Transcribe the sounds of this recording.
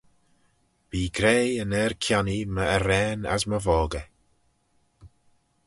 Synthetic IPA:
viːɡɾeːənɛɹkʰjaniməəɾɛːna̰zməvɔːɡə

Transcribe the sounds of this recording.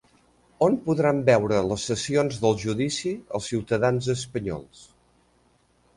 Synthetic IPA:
onpuðɾambɛwɾələsːəsionzðəlˠʒuðisiəlˠsiwt̪əðanzəspəɲɔ̰lˠs

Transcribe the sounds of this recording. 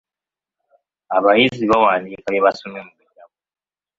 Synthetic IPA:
aβajiziβawaːndikajeβasomemuβuɟaβo

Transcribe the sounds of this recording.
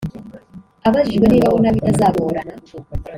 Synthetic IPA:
aβaziβaneβawonaβitazaːβooɾana

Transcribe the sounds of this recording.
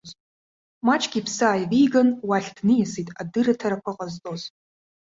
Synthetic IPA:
z | maːt͡ʃʼɡʲipsaːjviːɡɐnwaːɬdnijɛsiːtʼadɨrɐtʰɐɾɐkʷʰɐqʼɐztʼoz

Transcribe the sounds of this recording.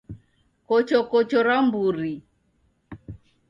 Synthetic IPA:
kɔt͡ʃɔkɔt͡ʃɔɾambuɾi

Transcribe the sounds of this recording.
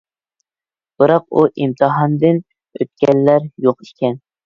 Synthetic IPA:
b̥ɨɾɑq̚uʔimt̪ʰɨɦɑnd̪ɨn | ø̰t̪̚kʲɛlːæɾjoqi̥kʲɛn

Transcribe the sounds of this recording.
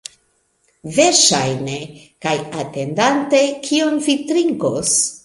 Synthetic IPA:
veɾʃajne | kajate̞ndante̞kʰio̞nvitɾiŋkos

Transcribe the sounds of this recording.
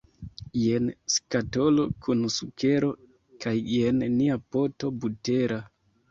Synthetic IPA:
jenskato̞lo̞kʰunsuke̞ɾo̞ | kʰajːenniapo̞to̞bute̞ɾa

